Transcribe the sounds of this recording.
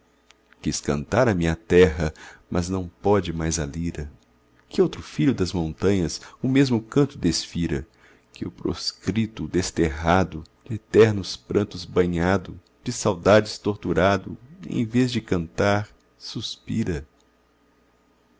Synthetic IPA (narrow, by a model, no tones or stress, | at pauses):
kiskɐ̰̃nt̪aɾɐmĩɲɐt̪ɛɦɐmɐznɐ̃w̃pɔd͡ʒɪmajzaliɾɐ | kɪowt̪ɾʊfiʎʊd̪ɐzmõnt̪ɐ̃ɲɐsʊmezmʊkɐ̃nt̪ʊd̪esfiɾɐ̰ | kɪʊpɾo̰skɾit̪ʊd̪est̪eɦad̪ʊ | d͡ʒɪet̪ɛɾnʊspɾɐ̃nt̪ʊzbɐ̃ɲad̪ʊ | d͡ʒɪsawd̪ad͡ʒɪst̪oɾt̪uɾad̪ʊ̰ḛ̃j̃vezd͡ʒɪkɐ̃nt̪aɾ | suspiɾɐ